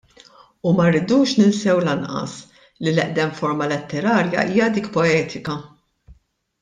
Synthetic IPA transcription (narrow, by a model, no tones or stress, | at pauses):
umɐɾːid̪uːʃnɪnsɛwlɐnʔɐ̰s | lilɛʔd̪ɛmfɔɾmɐlɛt̪ːɛɾɐːɾjɐ̰ʔiːjɐd̪iːkpɔɛːt̪ʰɪkɐ